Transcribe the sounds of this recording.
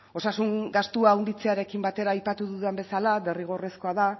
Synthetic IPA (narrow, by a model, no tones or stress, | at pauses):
o̞sasuŋɡast̪uawnd̪it͡se̞aɾe̞kimbat̪e̞ɾaːjpat̪uðuðembe̞salade̞riɣ̞o̞re̞sko̞aða